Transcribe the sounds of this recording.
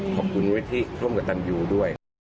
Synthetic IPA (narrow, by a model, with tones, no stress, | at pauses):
kʰɔː˨˩p̚kʰu˧nwi˦˥t̪ʰi˦˥ɾʰu˥˩əmka˨˧˩t̪a˧njuː˧du˥˩əj